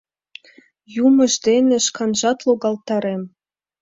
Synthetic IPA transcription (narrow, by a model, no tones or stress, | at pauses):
jumə̆ʒd̪enĕʃkɑnʒɑt̪loɣɑlt̪ɑɾem